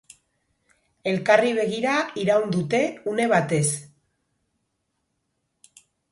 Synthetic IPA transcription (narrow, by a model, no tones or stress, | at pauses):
e̞lkariβ̞e̞ɣiɾaiɾawnd̪ut̪e̞une̞βat̪e̞s